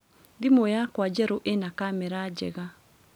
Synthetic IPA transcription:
dimojakwad͡ʒɛɾoʔenakamɛɾad͡ʒɛ̰ɣa

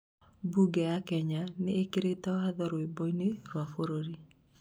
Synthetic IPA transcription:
buɡɛjakɛɲaneːkeɾetɔaðɔɾoebɔineɾwafoɾoɾi

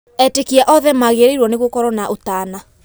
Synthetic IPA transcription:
ɛtekiaʔɔðɛmaɣeɾeiɾwɔneɣwokɔɾɔnaʔotaːna

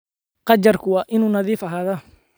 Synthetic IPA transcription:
qɑt͡ʃɐrkʰʊwɑːʔɪnuːnɐðiːfɐɦaːðɐ

